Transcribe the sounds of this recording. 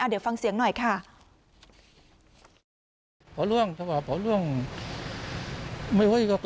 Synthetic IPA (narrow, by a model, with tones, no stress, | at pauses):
ʔaː˧˩d̪e˨˩˦wfa˧ŋsi˨˩˦əŋnɔ˨˩jkʰa˥˩ | pʰɔː˨˦lu˧˩əŋt̪ʰɛː˧waː˧˩pʰɔː˨˦lu˧˥˩əŋ | ma˧˩jwa˧˥˨kɔ˧˩k